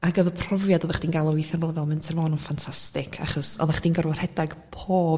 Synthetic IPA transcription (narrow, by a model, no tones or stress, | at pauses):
aɡɔðəpʰrɔvjadɔðaχd̥iːnɡalˠɔwɪθanvɔlˠvɛlˠmɪntʰərvɔːnɔfantʰastɪkʰa̰χɔsɔ̰ðaχd̥iːnɡərwarhɛdaɡ̥pʰoːb